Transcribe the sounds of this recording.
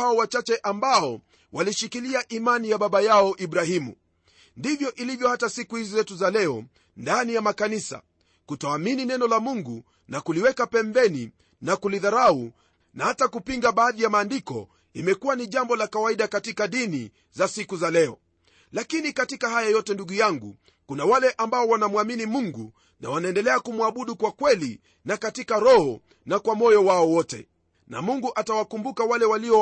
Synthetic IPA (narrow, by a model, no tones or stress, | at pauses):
aɔwat͡ʃat͡ʃɛʔambaɔ | wʔaliʃikiliaʔimanijaɓaɓajaɔʔiɓɾahimṵ | ndivjɔʔilivjɔhatasikuhizizɛtuzalɛɔ | ndanijamakanisa̰ | kutɔamininɛnɔlamuŋɡu | nakuliwɛkapɛmbɛni | nakuliðaɾau | nahatakupiŋɡaɓaːðijamaːndikɔ̰ | imɛkuwaniʄambɔlakawaiɗakatikaɗini | zasikuzalɛɔ | lakinikatikahajajɔtɛnduɠujaŋɡṵ | kunawalɛʔambaɔwanamwaminimuŋɡṵ | na̰wanaɛndɛlɛakumwaɓuɗukwakwɛli | nakatikaɾɔhɔ | nakwamɔjɔwaɔwɔtɛ̰ | na̰muŋɡuʔatawakumbukawalɛwaliɔ